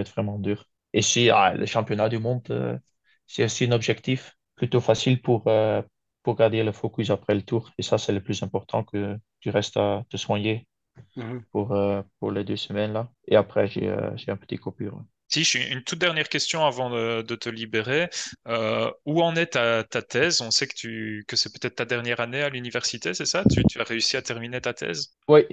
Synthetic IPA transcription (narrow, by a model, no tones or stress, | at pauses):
ɛt̪vʁɛmɑ̃d̪yːʁ | esia̰lʔə̰ʃɑ̃pjɔnad̪ymɔ̃d̪ø̰ | sɛosiɛ̃nɔbʒɛkt̪if | plyt̪ofasilpuʁø | puʁɡaʁd̪eləfokʲys̬apχɛlət̪uːʁesasɛləplyzɛ̃pɔʁt̪ʰɑ̰̃kət̪yʁɛst̪at̪əswaɲe | puʁøpuʁled̪øsəmɛnla | eapχɛʒḛø̰ʒeɛ̃pə̥t̪ikɔpy̰ːʁwɛ | siʃʔynt̪ut̪̚d̪ɛʁnjɛʁkʲɛst̪jɔ̃avɑ̃d̪əd̪ət̪əlibeʁeøuɑ̃nɛt̪at̪at̪ɛːzɔ̃sɛkə̥t̪ykəsɛpø̥t̪ɛt̪χt̪ad̪ɛʁnjɛʁanealynivɛʁsit̪esɛsat̪yt̪yaʁeysiat̪ɛʁminet̪at̪ʰɛ̰ːz | wi